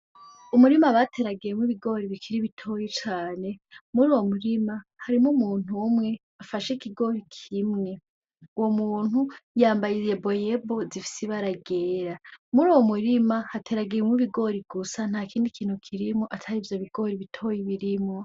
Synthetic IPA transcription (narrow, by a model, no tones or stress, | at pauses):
umuɾimaβatʰe̞ɾaɡiɾemwiβiɡo̞ːɾiβikʰiɾiβitʰo̞jit͡ʃaːne̞muɾuːwo̞muɾimahaɾimumuːn̥umŋe̞ | afaʃekiɡo̞ɾikʰimŋe̞ | uwo̞muːn̥hujaːmbajiebo̞jebo̞zifi̥siβaɾaɡeːɾamuɾuːwo̞muɾimahatʰeɾaɡiɾemiβiɡo̞ɾiɡusan̥aːkiːndikʰiːn̥hukʰiɾimoʔatʰaɾivjoβiɡo̞ɾiβitʰo̞jiβiɾimŋo̞